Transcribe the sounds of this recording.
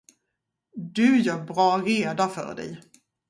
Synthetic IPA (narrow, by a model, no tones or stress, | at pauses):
d̪ɵjœːɾbɾɑːɾeːd̪afœ̰ɖɛ̰j